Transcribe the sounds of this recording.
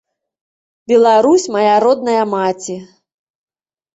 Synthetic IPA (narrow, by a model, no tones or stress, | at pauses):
bʲɛlˠaɾusʲmɐjaɾɔd̪̚nɐjɐmat͡sʲi